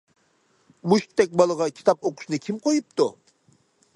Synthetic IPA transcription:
muʃt̪ʰːɛk̚ʲbɑlˠɑʁɑkʲʰi̥t̪ʰɑpoqʊ̥ʃnɪkʲʰimqʰojup̚t̪ʊ

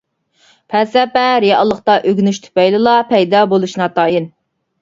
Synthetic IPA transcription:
pʰɛsɛpɛɾijɑ̰lˠːəqt̪ɑʔøɡʲnyʃt̪ʰy̥pɛjlɨlˠɑpʰɛjd̪ɑbolˠuʃnɑt̪ʰɑːjɪn

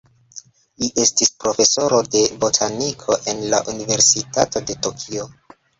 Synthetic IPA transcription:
liʔe̞stispɾo̞fe̞so̞ɾo̞de̞botʰanikʰo̞ʔe̞nla̰ʔunive̞ɾsitato̞de̞to̞kʰio̞

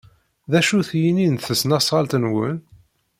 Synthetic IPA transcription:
ðæʃuθjininθəsnɑsˤʁɑlt̪nwə̰n

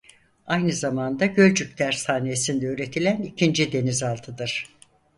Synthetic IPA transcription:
ajnɯzamand̪aɟø̞lʲd͡ʒyc̚ʲt̪ʰæɾsaːnesind̪ɛøːɾe̞t̪ʰilʲænicʰind͡ʒid̪e̞nizalˠt̪ʰɯd̪ɯɾ̥

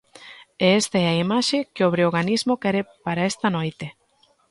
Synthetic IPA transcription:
eest̪aɛaimaʃekeoβ̞ɾeoɣanizmokɛɾepaɾaest̪ɐnojt̪e

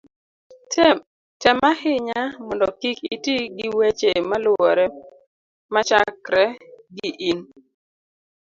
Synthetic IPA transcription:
tɛ | tɛmahɪɲamɔndɔkikitiɡɪwet͡ʃemalʊɔɾɛ | mat͡ʃakɾɛɡiʔin

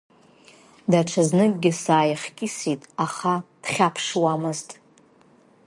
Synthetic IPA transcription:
daʈ͡ʂʷʰaznɨkʼɡʲɪsaːjaχkʲʼisitʼaχad̥χʲapʰʂwamɨztʼ

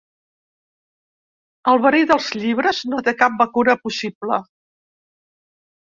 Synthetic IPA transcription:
əlˠβəɾiðəlˠzʎiβ̞ɾəznot̪ekap̚bəkuɾəpusiplə

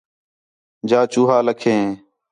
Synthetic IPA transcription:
d͡ʒaːt͡ʃuːɦaːləkʰẽː

